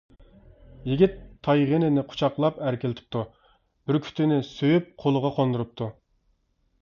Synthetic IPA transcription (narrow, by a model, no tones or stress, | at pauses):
jiɡʲit̪ʰːɑjʁenɪnɪqʰo̥t͡ʃʰɑqlˠɑpæɾkʲilɪt̪ʰɪ̥p̚t̪ʰu | b̥ɪɾkʲʰy̥t̪ʰɪnɪsøjyp̚qʰolˠʊʁɑqʰond̪uɾup̚t̪ʰu